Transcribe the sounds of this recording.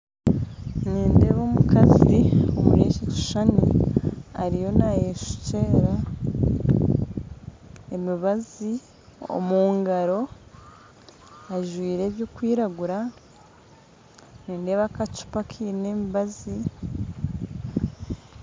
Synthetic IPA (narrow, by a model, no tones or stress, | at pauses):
niːnde̞ːβo̞ːmukazio̰mṵɾeːʃetu̥ʃanḭ | a̰ɾijo̞najeʃu̥ce̞ɾa | emiβazi | o̰muːŋɡaɾo̞ | aʒwiːɾe̞ːβjokwiːɾaɡuɾa | niːnde̞ːβakat͡ʃu̥pakʰiːneːmiβazi